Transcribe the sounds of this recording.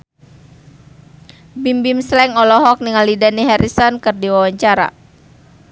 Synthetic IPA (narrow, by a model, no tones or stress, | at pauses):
bimbimslɛŋɔlɔɦɔk̚niŋalidaniɦaɾʔisɔnkɨrdiwawaɲt͡ʃaɾa̰